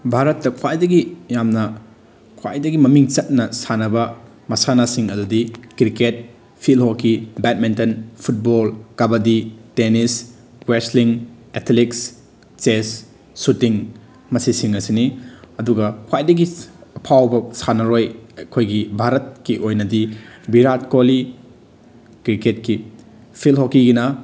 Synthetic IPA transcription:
bʱaɾɐtːɐkʰwajdɐɡijamnɐ | kʰwa̰jdɐɡimɐmiŋt͡ʃɐt̚nɐsanɐbɐ | mɐsanasiŋɐdudikɾiket̚ | pʰilɦokibɛt̚mintɐnpʰut̚bolkabɐditenis | wesliŋ | etʰliks | t͡ʃesː | utiŋ | mɐsisiŋɐsiniɐduɡɐkʰwajdɐɡiɐpʰawbɐsanɐɾojkʰojɡibʱaɾɐt̚kiʔojnɐdibiɾatkoli | kɾiket̚ki | pʰilɦokiɡinɐ

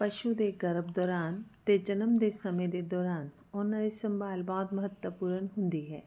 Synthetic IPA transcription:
pɐʃud̪eɡɐɾəbd̪ɔːɾaːnt̪ed͡ʒɐnəmd̪esɐmẽd̪ed̪ɔːɾaːn | ɔːnɐisɐ̃mbaːlbaːd̪mɐɦət̪wəpuːɾənɦʊ̃nd̪iɦɛː

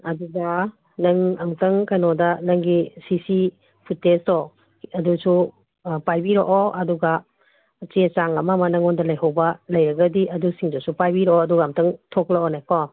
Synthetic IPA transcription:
ɐduɡa | nɐŋɐmtɐŋkajnɔdanɐŋɡisisi | pʰutːestɔ | ɐdusu | pajbiɾɔʔɔʔɐduɡa | t͡ʃit͡ʃaŋɐmamanɐŋɔndalɐjɦawbɐlɐjɾɐɡɐdiʔɐdusiŋdɔsupajbiɾɔʔɔɐduɡaːmtɐŋtʰɔklaʔɔnajkɔ

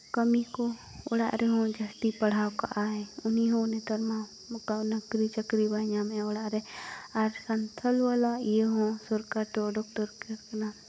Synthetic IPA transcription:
kəmiko | ɔ̰ɽa̰ʔɾɛɦɔ̃d͡ʒəsʈipəɽ̤awka̰ʔaɛuniɦõnɛt̪əɾma | kanəɡɾit͡ʃəkɾibaɲamɛɔɽaʔɾɛaɾsənt̪ʰəlwalajeɦɔ̃sɔɾkaʈɔɖɔk̚ʈəɾkɛɾkna

